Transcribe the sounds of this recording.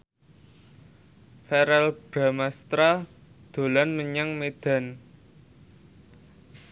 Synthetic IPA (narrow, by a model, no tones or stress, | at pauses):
fɛɾɛlb̥ɾa̤mast̪ɾa | d̪̥o̤lanməɲaŋmed̪̥a̤n